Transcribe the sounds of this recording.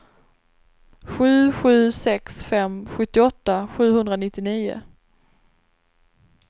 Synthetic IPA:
ɧʉ̟ːɧʉ̟ːsɛksfɛmɧɵt̪ːɪɔt̪ːaɧʉ̟ːɦɵnd̪ɾanɪt̪ːɪniːʊ̰

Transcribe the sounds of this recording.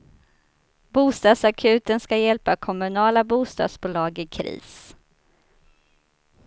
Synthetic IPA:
buːst̪ɑːd̪sakʰʉ̟ːt̪ənskajɛlpakʰɔmɵnɑːlabuːst̪ɑ̰ːd̪sbʊːlɑːɡɪkʰɾḭːs

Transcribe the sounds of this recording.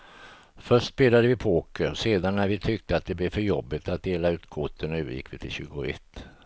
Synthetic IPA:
fœʂtsbeːlad̪əvɪpʰoːkəseːd̪anːæɾvɪt̪ʰʏk̚t̪əat̪̚d̪ɛblɛɾfœɾjɔbːɪt̪at̪̚d̪eːlaʉ̟ːt̪kʰʊt̪ʰːənʉːəɾjɪ̰kːvɪt̪ʰɪlɕʉ̟ːɡʊɛ̰t̪ː

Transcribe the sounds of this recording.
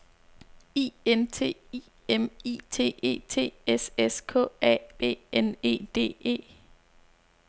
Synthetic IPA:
ḭːent͡sʰe̝̰ːi | emḭːt͡sʰe̝̰ːe̝̰ːt͡sʰe̝̰ːeseskʰɔ̰̽ːɛ̰b̥e̝̰ːene̝̰ːd̥e̝̰ːe̝̰ː

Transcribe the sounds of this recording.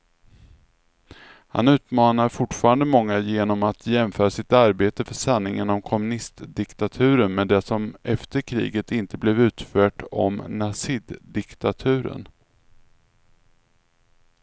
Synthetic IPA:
ha̰nʉ̟ːt̪mɑːnaɾfʊʈfɑːɾand̪əmɔŋːajeːnɔmat̪ʰjɛmfœːɾasɪt̪aɾbeːt̪əfœʂanːɪŋənɔmkʰɔmɵnɪst̪d̪ɪkt̪at̪ʰʉ̟ːɾənmɛd̪ɛsɔmʔɛft̪əɾkʰɾḭːɡət̪ɪnt̪əblɛvʉ̟ːt̪fœːʈɔ̰mnasɪd̪d̪ɪkt̪at̪ʰʉ̟ːɾə̰n

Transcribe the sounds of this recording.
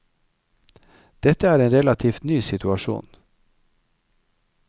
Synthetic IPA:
d̪̥ɛt̪əæːɾeːnɾɛlɑt̪ʰiːft̪nyːsɪt̪ʉɑʃṵːn

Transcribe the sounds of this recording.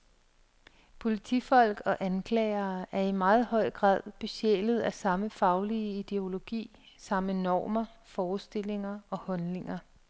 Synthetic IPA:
pʰo̝lit͡sʰifɒ̽l̰ɡ̥ɒ̽ʔænkʰlɛ̰ːɪɐːæɐimɑ̈ːð̞̩ˠhɒ̽ɪ̰ɡ̥ʁɑ̰̈ːð̰ˠb̥e̝ɕḛlð̞̩ˠæsɑ̈məfɑ̈ʊliəid̥e̝o̝lo̝ɡ̥ḭː | sɑ̈mənɒ̰ːmɐfɒːsd̥e̝l̰e̝ŋɐɒ̽hɒ̽nle̝ŋɐ

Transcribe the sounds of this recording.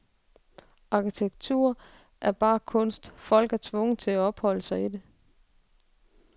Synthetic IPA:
ɑ̈kʰit͡sʰeɡ̥̚t͡sʰṵɐ̰ | ʔæɐb̥ɑ̈ːkʰɔ̽n̰sd̥fɒ̽l̰ɡ̥æɐt͡sʰʋɔ̽ŋət͡sʰe̝læɒ̽b̥hɒ̽l̰əsɑ̈ɪide̝

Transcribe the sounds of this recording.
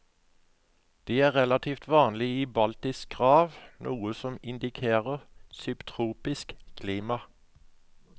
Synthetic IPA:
d̪̥iːæːʁɛlɑt̪ʰiːft̪ʰʋɑːnlɪiːbɑlt̪ɪs̚ɡʁɑːʋnʔuːəsɔmɪnd̪ɪkʰeːʁəʁsʏpt̪ʰʁuːpɪskkʰliːmɑ

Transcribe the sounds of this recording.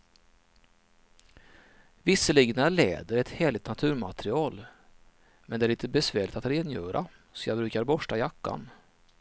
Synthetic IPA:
vɪsːəliːɡnaɑlḛːd̪əɾɛt̪hɛːɭɪt̪nat̪ʰʉ̟ːɾmat̪ɾɪɑːl | mɛnɛæɭiɪnt̪əbɛsvæːɭɪkt̪at̪ɾeːnjœːɾʔa̰ | sɔjɑ̰ːɡbɾʉ̟ːkaɾbɔʂʈajakːa̰n

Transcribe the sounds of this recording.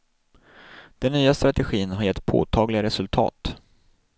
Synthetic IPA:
d̪̥ɛnːyːast̪ɾat̪ɛɧiːnɦaɾjɛt̪ːpʰo̰ːt̪ʰɑːɡlɪɡaɾɛsɵlt̪ʰɑ̰ːt̪

